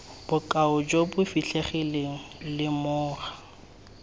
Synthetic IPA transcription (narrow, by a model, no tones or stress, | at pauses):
b̥ʊkʼaʊd͡ʒobʊfiɬeχɪleŋ̩lɪmʊːra